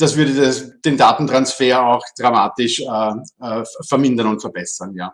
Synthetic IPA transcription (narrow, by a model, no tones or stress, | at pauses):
d̥asvʏɐɾədasd̥eːndaːtn̩tʁ̥ansfeːɐaʊxd̥ʁamaːtɪʃɛ | fɛɐmɪndɐnʊntfɛɐb̥ɛsɐnjaː